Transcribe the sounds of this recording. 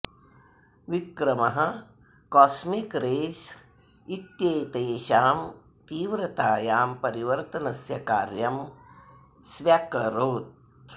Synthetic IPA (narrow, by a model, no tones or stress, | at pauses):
ʋikɾɐmɐɦɐ̆ | kɔːsmikɾeːd͡ʒ | it̪jejt̪eːʃaːm | t̪iːʋɾɐt̪aːjaːmpɐɾiʋɐɾt̪ɐnɐsjɐkaːɾjɐm | sʋjɐkɐɾoːt̪̚